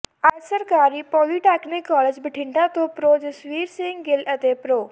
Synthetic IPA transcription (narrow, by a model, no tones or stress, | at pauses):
aːjsəɾkaːɾipɔːliʈɛːknɪkːɔːled͡ʒbɪʈʰɪ̃ɳɖãt̪opɾoːd͡ʒsʋiːɾsĩŋɡɡelət̪epɾoː